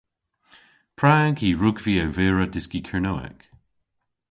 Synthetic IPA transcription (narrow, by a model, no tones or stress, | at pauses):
pʰɹaːnkʰiːɹʊɡviːawveːɹədɪskikʰɛɹnoːɛ̰k